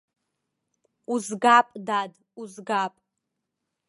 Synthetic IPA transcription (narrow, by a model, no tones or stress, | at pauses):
uzɡapʼdad | uzɡapʼ